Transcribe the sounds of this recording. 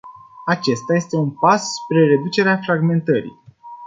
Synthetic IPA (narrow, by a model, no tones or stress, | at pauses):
at͡ʃe̞st̪aje̞st̪e̞unpasːpɾe̞ɾe̞d̪ut͡ʃe̞ɾeafɾaɡme̞nt̪əɾḭ